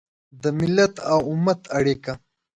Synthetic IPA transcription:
d̪əmɪlːat̪awʊmat̪ʰɐɽeka

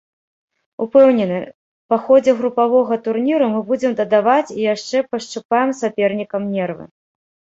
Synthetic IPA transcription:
upɛwnʲɛnɨ | paxɔd͡zʲɛɣɾupavɔɣɐt̪urnʲiɾɐmɨbud͡zʲɛmd̪ɐd̪avat͡sʲijaʂt͡ʂɛpɐʂt͡ʂupajɛmsapʲɛrnʲikɐmnʲɛrvɨ̰

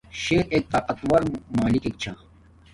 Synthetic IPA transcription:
ɕeːɾek̚t̪ɐqɐt̪wɐɾmaːlikek̚t͡ɕʰa

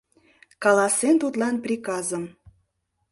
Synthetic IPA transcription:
kɑlɑsent̪ut̪lɑnprʲikɑzəm

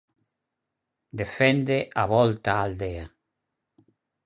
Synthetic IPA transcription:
d̪efɛnd̪eʔaβɔlt̪aːld̪ea

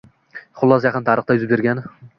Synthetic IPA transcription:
χʊlˠːɒsjɑqʰɨnt̪ʰaɾɨχt̪ajʊzɪp̚beɾɡʲan

